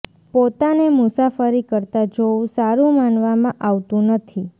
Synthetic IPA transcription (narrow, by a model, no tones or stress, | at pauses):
pot̪anemʊsafəɾikəɾt̪ad͡ʒoũsaɾũmanʋamãʔaʋt̪ũnət̪ʰi